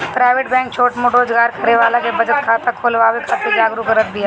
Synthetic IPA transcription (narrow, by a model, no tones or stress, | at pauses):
pɾaːɪʋeːʈbɛ̃ːŋk̚t͡ʃʰoːʈmoʈɾoːd͡ʒɡaːɾkɐɾeʋaːlãkebɐd͡ʒət̪kʰaːt̪akʰoːlʋaːʋekʰat̪ʰed͡ʒaːɡɾukɐɾət̪̚b̪ɪja